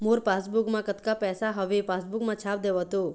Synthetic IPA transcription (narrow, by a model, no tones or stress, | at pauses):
moɾpasbukmãkət̪kapɛsaɦəʋepasbukmãt͡ʃʰap̚d̪eʋɦət̪o